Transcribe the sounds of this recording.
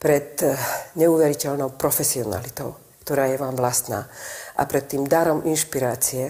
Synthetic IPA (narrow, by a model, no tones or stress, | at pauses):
pɾɛt̪ɲɛuʋɛɾicɛlnɔʊpɾɔfɛsiɔna̰lit̪ɔʊ | kt̪ɔɾaːjɛʋaːmʋlast̪na̰ːʔa̰pɾɛt̪ːiːmd̪aɾɔmʔinʃpiɾaːt͡siɛ